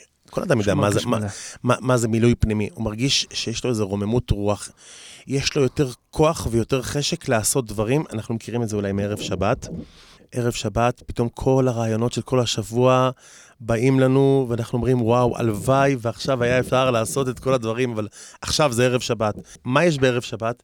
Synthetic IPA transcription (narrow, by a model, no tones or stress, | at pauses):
kolad̪amjodeamazemamamazemilujpnimiumaʁɡiʃʃejeʃlo̞ezeʁo̞me̞mutʁuaχjeʃlo̞jo̞te̞ʁkʰo̞aχvejo̞teʁχe̞ʃe̞kleaso̞t̚dvaʁimanaχnumekʰiʁimetzeulajmee̞ʁe̞vʃabat | ʔe̞ʁe̞vʃabatpi̥to̞mkʰo̞laʁaːjo̞no̞tʃelkʰo̞lhaʃavua | baimlanuveanaχnuo̞mʁimwawʔa̰lvajveaχʃavajaefʃaʁlaːso̞te̞tko̞ladvaʁimavalaχʃavzeeʁevʃabat | majeʃ̬beeʁevʃabat